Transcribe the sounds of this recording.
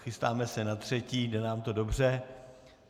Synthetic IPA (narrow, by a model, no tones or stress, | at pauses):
xɪst̪aːmɛsɛnat̪r̝̥ɛciːdɛnaːmt̪o̞do̞br̝ɛ